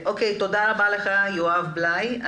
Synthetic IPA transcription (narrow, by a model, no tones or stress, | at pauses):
ʔokejt̪od̪aʁabaleχajoavblaja